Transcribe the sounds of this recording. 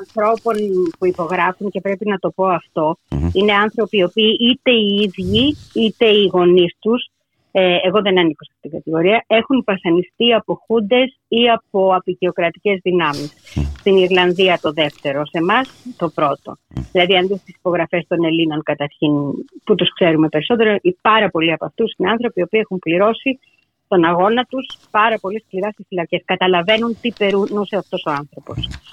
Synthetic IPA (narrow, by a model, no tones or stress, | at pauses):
ɐnθɾo̞po̞npuipo̞ɣɾɐfunce̞pɾe̞pinɐt̪o̞po̞ɐft̪o̞ine̞ɐnθɾo̞pio̞piːʔit̪e̞iiðʝiit̪e̞iɣo̞nist̪us | eeɣo̞ðe̞nɐniko̞sɐ̥t̪iŋɡɐt̪iɣo̞ɾiɐe̞xunvɐθɐnist̪iɐpo̞xund̪e̞siɐpo̞ɐpiʝeo̞kɾɐt̪i̥ce̞zðinɐmisːt̪iniɾlɐnðiɐt̪o̞ðe̞ft̪e̞ɾo̞se̞mɐst̪o̞pɾo̞t̪o̞̰ðilɐðiɐnðist̪isi̥po̞ɣɾɐfe̞st̪o̞ne̞lino̞ŋkɐt̪ɐɾçinput̪uskse̞ɾume̞pe̞ɾiso̞t̪e̞ɾoʔipɐɾɐpo̞liɐpɐft̪usineɐnθɾo̞pio̞piːexumpliɾo̞si | t̪o̞nɐɣo̞nɐt̪uspɐɾɐpo̞liskliɾɐst̪isfilɐce̞skɐt̪ɐlɐve̞nunt̪ipe̞ɾunuseɐft̪o̞so̞ɐnθɾo̞po̞s